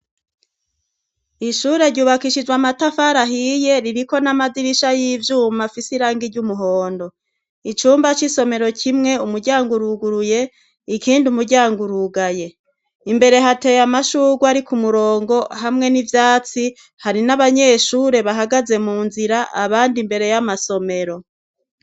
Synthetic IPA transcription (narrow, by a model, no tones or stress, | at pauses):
iʃuːɾeɾɟuːβakiʃid͡ʒwamatafaɾaɦije̞ɾiɾiko̞namadiɾiʃajiːvjuːmafisiɾaːŋɡiɾɟumuɦo̞ːndo̞ | it͡ʃuːmbat͡ʃiso̞me̞ɾo̞cʰimŋe̞umuɾɟaːŋɡuɾuɡuɾuje̞ | ikiːndiumuɾɟaːŋɡuɾuɡaje̞ | imbe̞ɾe̞ɦate̞jamaʃuːɡwaɾikumuɾo̞ːŋɡo̞ɦamŋe̞nivjaːt͡si | haɾinaβaɲe̞ːʃuːɾe̞βaɦaɡaze̞muːnziɾaʔaβaːndimbe̞ɾe̞jamaso̞me̞ɾo̞